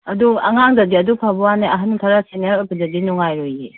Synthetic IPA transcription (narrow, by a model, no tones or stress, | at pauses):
ɐduɐ̰ŋaŋdɐdiɐdupʰabɔwaneɐɦantʰaɾasinepɯdɐdinuŋajɾoje